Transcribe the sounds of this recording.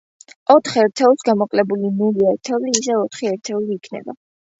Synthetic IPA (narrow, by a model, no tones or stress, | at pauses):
ɔt̪ʰχɛɾt̪ʰɛusɡamɔqʼlɛbulinuliɛɾt̪ʰɛvliːsɛɔt̪ʰχiɛɾt̪ʰɛuliːkʰnɛ̰ba̰